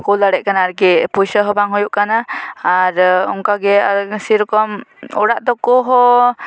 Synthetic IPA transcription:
kulaɽɛʔ̚kanaːɾɡɛpujsəɦɔbaŋɦujuʔkanaː | ɾɔ̰ŋkaɡɛaɾsiɾɔkɔmɔɽaʔd̪ɔkɔɦɔ

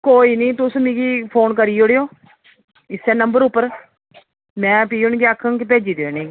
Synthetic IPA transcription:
koːiːnĩːt̪ʊsmĩːɡiːpʰoːnkəɾiːoɽeːoː | ɪsɛːnəmbəɾʊpːəɾ | mɛ̃ːpiːʊnɡiakʰːəŋkɪpeːd͡ʒiːd̪eːneː

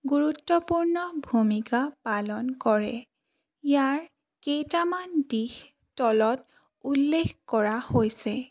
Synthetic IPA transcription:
ɡuɹutːɔpuɹnɔbʱumikapalɔnkɔɹɛ̰ | ijaɹ | kejtamandix | tɔlɔt | ulːexkɔɹahojsɛ

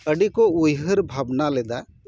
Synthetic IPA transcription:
əɖikɔujɦəɾbʱabnalɛd̪a

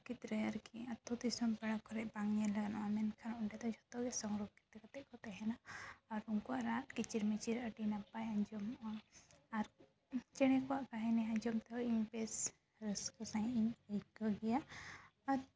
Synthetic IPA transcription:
kit̪ɾɛjaɾkiɐt̪ːɔd̪isɔmpɛɽakʰɔɾɛʔbaŋɲɛlaɡanaʔamɛnkʰanuɳɖɛd̪ɔd͡ʒʱɔt̪ɔɡɛsɔŋɡɾɔɡkit̪ːɛkat̪ɛʔkɔt̪ɛɦɛnaɔɾuŋkɔwaʔɾaʈkit͡ʃiɾmɛt͡ʃiɾəʈinapajaɲd͡ʒɔm | aɾ | t͡ʃɛɽ̃ɛkɔaʔkaɦɛnɛãɲd͡ʒɔmt̪ɔiɲpɛs | ɾəskɔsãjiɲjkɔɡɛjaaɾ

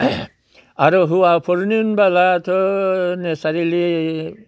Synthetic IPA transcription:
aɾɔɦuwapʰɔɾninbalat̪ʰɔnesaɾili

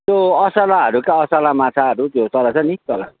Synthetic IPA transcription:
t̪oʌsalaɦʌɾukaʌsalamat͡sʰaʌɾuk̪jot͡sʌlat͡sʰʌnit̪ʌla

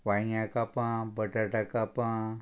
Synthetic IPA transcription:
ʋãjakapãbəʈaʈakapã

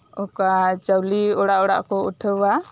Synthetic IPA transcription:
ɔkat͡ʃəwliɔɽaʔɔɽa̰ʔkɔuʈʰəwa

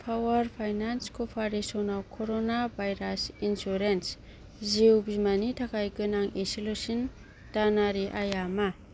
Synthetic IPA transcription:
pʰawaɾpʰajnanskʰopʰaɾisonawkʰoɾonabʱajɾasinsuɾens | ziwbimanitʰakʰajɡɯnaŋesilusin | tanaɾiʔajama

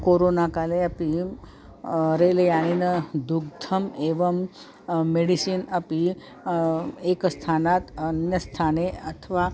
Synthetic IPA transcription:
koɾonakaleəpi | ɾeləjaɽ̃inəd̪uɡ̚d̪ʰʱəmeʋəmː | eɽisinəpi | ekst̪ʰanat̪ənjəst̪ʰaneət̪ʰəʋa

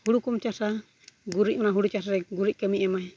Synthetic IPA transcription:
huɽukumt͡ʃasa | ɡuɾiʔ̚manaɦuɽut͡ʃas̬aɾɛɡuɾic̚ˀkəmiʔɛmaj

